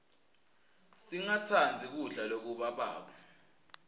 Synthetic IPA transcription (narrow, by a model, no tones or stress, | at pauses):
siŋat͡sʰand͡zʱik̬uɮalok̬uɓaɓa̰ːɓa